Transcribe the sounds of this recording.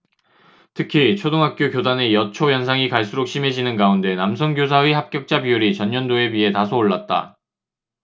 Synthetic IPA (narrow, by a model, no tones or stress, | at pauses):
tʰɯkʰit͡ɕʰodoŋɦak̚k͈jokjodanejʌt͡ɕʰojʌns̬ʰaŋikaɭs͈uɾok̚ɕ͈ʰime̞d͡ʑinɯnkaunde̞namsʰʌŋɡjos̬ʰaihap̚k͈jʌk̚t͡ɕ͈apiuɾit͡ɕʌnːʌndoe̞biɦe̞tasʰoːɭːat̚t͈a̰